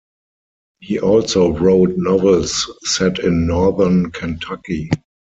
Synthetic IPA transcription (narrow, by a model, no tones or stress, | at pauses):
hiːʔɔlsoʊɹoʊtnɔvəlsːɛtɪ̃nːɔðə˞nkʰɛ̃ntʰaki